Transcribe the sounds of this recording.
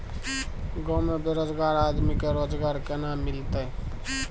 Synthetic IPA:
ɡɔmebeɾod͡ʒɡaɾad̪mikeɾod͡ʒɡaɾkenamːilt̪əj

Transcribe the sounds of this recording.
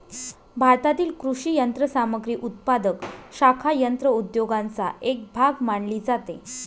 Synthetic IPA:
bʱaɾt̪at̪iːlkɾuɕiːjənt̪ɾəsaməɡɾiːʔut̪̚pad̪əkɕakʰajənt̪ɾəud̪joɡant͡sa̰ʔek̚bʱaɡmaɳliːd͡zat̪e

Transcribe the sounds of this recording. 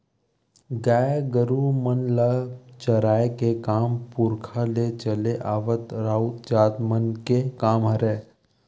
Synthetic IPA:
ɡaːjɡəɾumənlət͡ʃəɾaːekekaːmpʊɾkʰalet͡ʃəleʔaːʋət̪ɾaːut̪d͡ʒaːd̪mənkekaːmɦəɾeː

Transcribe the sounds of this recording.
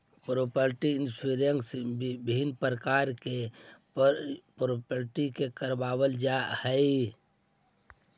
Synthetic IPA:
pɾoːpəɾʈiɪnsuɾəŋksbɪnpəɾəkaːɾke | pɾopəɾʈikekəɾbaːwəld͡ʒahɛi

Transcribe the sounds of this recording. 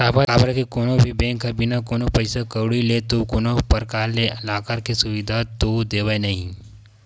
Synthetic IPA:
saːpaabəɾkikoːnobʱibẽŋkabinakoːnopɐɪsakəwɽilet̪okoːnopɐɾkaːɾleɐlaːkaɾkesʊʋid̪ʱat̪od̪eːʋajnɐɦĩ

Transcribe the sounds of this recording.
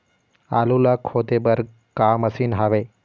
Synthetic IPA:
a̰ːlulakʰoːt̪ebəɾɡ̚ | kaːməsinɦaʋe

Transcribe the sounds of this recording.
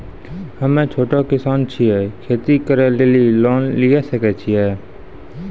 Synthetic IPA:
həmẽːt͡ʃʰoːʈokɪsaːnt͡ʃʰiɛːkʰeːt̪ikəɾɛleːliloːnlɪjeːsəkɛːt͡ʃʰiɛː

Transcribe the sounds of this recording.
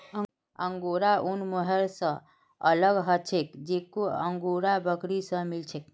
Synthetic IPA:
əŋɡoɾaʔunmoɦəɾsə̃ | ələɡɦət͡ʃʰekd͡ʒekoə̰ŋɡoɾabəkɾisə̃milt͡ʃʰek̚

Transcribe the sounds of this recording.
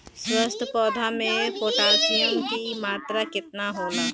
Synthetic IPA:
swəst̪ʰəpɔːd̪ʱamẽpoːʈaːʃijəmbimaːt̪ɾakɪt̪naɦoːlaː

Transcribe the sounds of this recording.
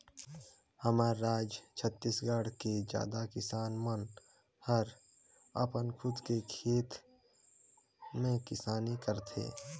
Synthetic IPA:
həmaːaːd͡ʒt͡ʃʰət̪ːiːsɡəɽked͡ʒa̰ːd̪akɪsaːnmən | həɾ | ə̰pənkʰʊd̪kekʰeːt̪ | mẽkɪsaːnikəɾt̪ʰḛː

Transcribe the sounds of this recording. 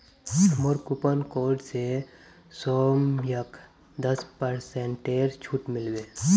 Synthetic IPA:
sʰɐmoɾkupənkoːɾɖse | sɔːmjɐk | d̪əspəɾsẽːɳʈeːɾt͡ʃʰuːʈmɪlʋeː

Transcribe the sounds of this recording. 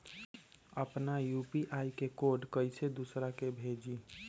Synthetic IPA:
əpnajupiʔajkekoɖkəjsed̪usɾakebʱed͡ʒi

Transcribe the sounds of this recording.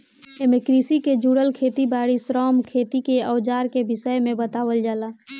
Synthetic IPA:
emikɾisiked͡ʒuːɽəlkʰeːt̪ibaːɽisɾɔːmkʰeːt̪ikeəːd͡ʒaːɾkebɪsəjmẽbət̪aːʋəld͡ʒaːlaː

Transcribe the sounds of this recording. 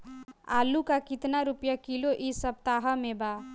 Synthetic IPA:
a̰ːlukakɪt̪naɾʊpjakiloʔɪsəb̚t̪aːɦəmẽbaː

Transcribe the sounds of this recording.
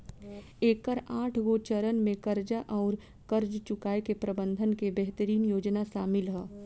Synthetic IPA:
eːk̚kəɾaːʈʰɡot͡ʃəɾənmẽkɐɾd͡ʒaʔɔːɾ | kɐɾd͡ʒt͡ʃʊkaːekepɾəbə̃nd̪ʱənkebɛɦt̪əɾiːnjoːd͡ʒnaʃaːmɪlɦɛː

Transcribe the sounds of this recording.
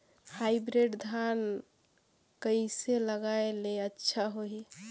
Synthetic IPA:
haɪbɾeɖd̪ʱan | kəiseləɡaeleətːʃʰaɦoi

